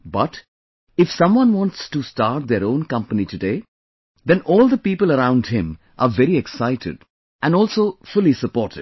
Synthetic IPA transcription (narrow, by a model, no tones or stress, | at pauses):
bʌʈ | ɪfsʌ̃mwʌ̃nwɑ̃ntstustaːɾʈ̚d̪eɾõːnkʌ̃mpənitudeː | d̪ɛ̃nɔːlˠd̪əpiːpəlˠəɾãʊ̃nɖhɪ̃m | ʔaʋɛɾiɛksaɪtʰɪ̰ɖ | ʔæ̃nɔːlsoːfʊlisəpɔːɾʈɪd̥̚